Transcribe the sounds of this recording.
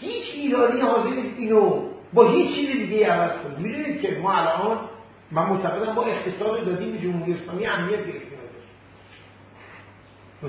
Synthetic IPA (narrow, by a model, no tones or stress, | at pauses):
hiːt͡ʃʰiːɾɒːnijhɒːze̞ɾniːst̪iːnobɒːɦiːt͡ʃt͡ʃʰːiːzed̪iɟejiævæzkʰonid̪mid̪uːniːd̪̥̚cʰe̞mɒːælʔɒːn | mænmot̪ʰæɣe̞d̪æmbɒːe̞χt̪ʰe̞sɒːd̪ɾod̪ɒːd̪iːmbed͡ʒomhuɾijeslɒːmiːjæmnijæt̪̚ʰɟe̞ɾeft̪eæɾd̪ɒɾi